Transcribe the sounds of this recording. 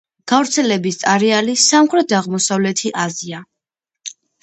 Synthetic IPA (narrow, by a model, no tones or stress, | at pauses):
ɡ̥avɾt̪sʰɛlɛbist̪sʼaɾɛalisamχɾɛt̪̚daʁmɔsavlɛt̪ʰiʔazia